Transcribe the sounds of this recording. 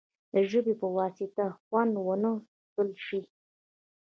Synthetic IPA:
d̪əʒəbepəwɑsɪt̪axwand̪wənə | k̪əlʃi

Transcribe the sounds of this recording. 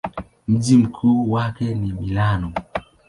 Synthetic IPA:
m̩d͡ʒim̩kʰuwakɛnimilanɔ

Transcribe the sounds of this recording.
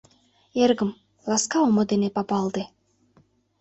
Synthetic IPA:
eɾɡə̆m | lˠɑskɑomod̪enepɑpɑːlˠd̪e

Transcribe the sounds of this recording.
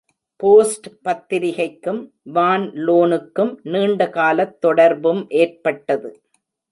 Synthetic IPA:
poːsʈpɐt̪ːɪɾɪɣɐɪkːɯm | ʋaːnloːnɯkːɯmniːɳɖɐkaːlɐt̪ːɔɽɐɾbɯmʔeːrpɐʈːɐðɯ

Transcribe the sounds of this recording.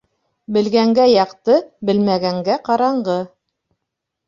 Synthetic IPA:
bɘ̆lɡæŋɡæjɑqt̪ɤbɘ̆lmæɡæŋɡæqɑɾɑɴɢɤ

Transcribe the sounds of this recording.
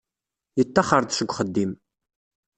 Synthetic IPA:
itʰːɐχardɕɨɡʷʼχədiːm

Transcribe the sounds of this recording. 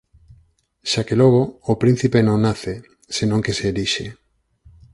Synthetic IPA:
ʃakelɔɣ̞oːpɾin̟θipenõŋnːaθe | senõŋkeseːliʃe

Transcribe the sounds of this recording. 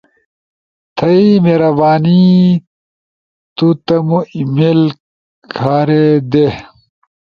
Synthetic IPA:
t̪ʰɐimeɾɐbaːni | t̪ut̪ɐmuimel | kʰaːɾed̪e

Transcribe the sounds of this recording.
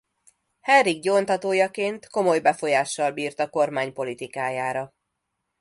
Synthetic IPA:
hɛriɡɟoːnt̪ɒt̪oːjɒkeːnt̪ko̞mo̞jbɛfo̞jaːʃːɒlbiːrt̪ɒko̞rmaːɲpo̞lit̪ikaːjaːɾɒ

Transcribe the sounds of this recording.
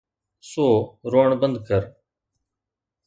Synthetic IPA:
soːɾoːɳbənd̪̚kəɾ

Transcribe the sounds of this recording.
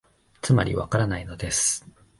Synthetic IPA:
t͡sɨma̰ɾʲḭβa̰kaɾanaino̞d̪e̞sɨ̥

